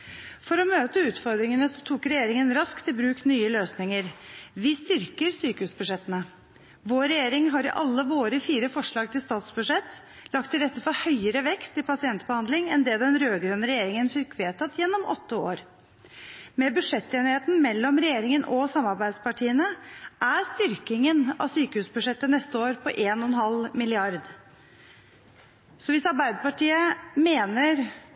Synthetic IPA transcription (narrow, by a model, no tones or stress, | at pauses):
fɔɾɔmøːt̪əʉːt̪fɔɾd̪ɾɪŋənəsɔt̪ʰuːkɾɛjeːɾɪŋənɾɑskt̪ʰɪlbɾʉːknyːəløːsnɪŋəɾʋɪst̪ʏɾkəɾsyːkəʉːsbʉʂɛt̪ːənə | ʋoːɾɛjeːɾɪŋɦɑɾɪ̰ʔɑlːəʋoːɾəfiːɾəfɔʂɭɑːɡ̚t̪ʰɪlst̪ɑːt̪sbʉʂɛt̪ː | lɑkt̪ʰːɪlɾɛt̪ːəfɔhœʏəɾəʋɛkst̪ɪpʰɑsɪɛnt̪bəhɑnd̪lɪŋɛnd̪ɛːd̪ɛnɾøːɡɾœnəɾɛjeːɾɪŋənfɪkʋeːt̪ʰɑt̪jɛnːɔmɔ̰t̪ːəo̰ːɾ | mɛbʉʂɛt̪ːeːnɪheːt̪n̩mɛlːɔmɾɛjeːɾɪŋənʔɔsɑmːɑɾbæɪd̪spɑʈʰiːənəʔæɾst̪ʏɾkɪŋənɑ̰syːkəhʉːsbʉʂɛt̪ːənɛst̪əoːɾpʰɔʔeːnɔɛnhɑlmɪlɪɑɾd̪ | sɔʋɪsɑɾbæɪd̪əpɑʈiːəmeːnəɾ